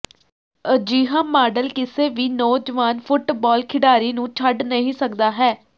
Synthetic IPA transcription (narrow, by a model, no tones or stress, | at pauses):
əd͡ʒiːɦãːmaːɖəlkɪseːʋiːnɔːd͡ʒəʋaːnfʰʊʈbɔːlkʰɪɽaːɾiːnũːt͡ʃʰəɖnəɦĩːsəkd̪aːɦɛː